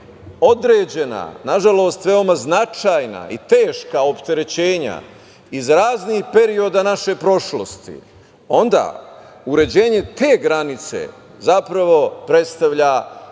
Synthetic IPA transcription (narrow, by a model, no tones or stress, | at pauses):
o̞d̪ɾe̞ːd͡ʑe̞na̰naʒalo̞ːst̪ʋe̞o̞maznat͡ʃaːjna̰it̪e̞ːʃkao̞pt̪e̞ɾe̞t͡ɕe̞ːɲa̰ | izɾaːzniːxpe̞ɾio̞d̪anaʃe̞pɾo̞ʃlo̞st̪ḭ | o̞nd̪a̰ː | uɾe̞d͡ʑe̞ːɲe̞t̪e̞ːɡɾanit̪sḛ | zapɾaʋo̞pɾe̞t̪st̪aʋʎa